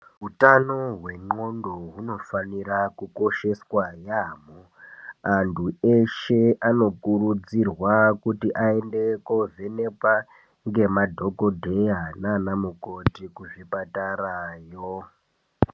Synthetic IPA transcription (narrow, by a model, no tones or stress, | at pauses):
ɦutanoɦwe̞ŋ͡ǃo̞ndoɦuno̞faniɾakuko̞ʃe̞swajaːmo | antʰueʃeano̞kurud͡zirwakutiʔaende̞kovʱene̞pwa | ŋɡe̞madʱo̞ko̞dʱe̞jananamuko̞tikuʐipatarajo